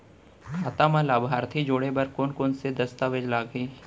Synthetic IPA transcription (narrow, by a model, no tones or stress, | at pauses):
kʰaːt̪amãlaːbʱaːɾt̪ʰid͡ʒoːɽebɐɾkoːnkoːnsed̪ɐst̪aʋed͡ʒlaːɡiː